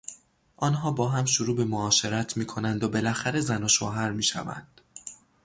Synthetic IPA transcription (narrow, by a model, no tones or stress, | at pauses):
ʔɒːnɦɒːbɒːɦæmʃoɾuːbe̞moɒːʃe̞ɾæt̪ʰmiːkʰo̞nænd̪obe̞læxæɾe̞zænoʃoːɦæɾmiːʃæ̰væ̰nd̪̥